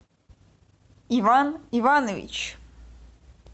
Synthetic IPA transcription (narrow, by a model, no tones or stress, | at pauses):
ivanivanovʲḭt͡ʃ